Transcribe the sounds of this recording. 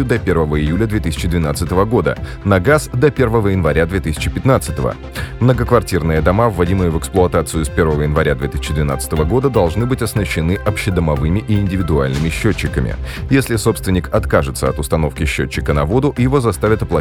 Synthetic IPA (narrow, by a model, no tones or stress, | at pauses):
ʊd̪ɐpʲe̞rvəvəɪjulʲəd̪vʲet̪ɨsʲɪ̥t͡ɕɪd̪vʲɪnat̪sɨt̪əvəɡo̞d̪ə | nɐɡasd̪ɐpʲe̞rvəvəjɪnvɐɾʲad̪vʲet̪ɨsʲɪ̥t͡ɕɪpʲɪt̪nat̪sɨ̥t̪əvə̰ | mnəɡəkvɐrtʲirnɨjəd̪ɐmavːɐdʲimɨjəvəksplˠʊɐt̪at̪sɨjʊspʲe̞rvəvəjɪnvɐɾʲad̪vʲe̞t̪ɨ̥sʲɪ̥t͡ɕːɪd̪vʲɪna̰t̪sɨ̥t̪əvəɡo̞d̪əd̪ɐlˠʐnɨbɨtʲɐsnəɕːɪnɨʔɐpɕːɪd̪əmɐvɨmʲɪʔɪːnʲdʲɪvʲɪd̪ʊalʲnɨmʲɪɕːot͡ɕːɪkəmʲɪ̰jesʲlʲɪso̞pst̪vʲɪnʲɪkɐt̪kaʐɨt̪səɐt̪ʊst̪ɐno̞fkʲɪɕːo̰t͡ɕːɪkənɐvo̞d̪ʊjɪvo̞zɐst̪avʲɪt̪ɐplˠɐ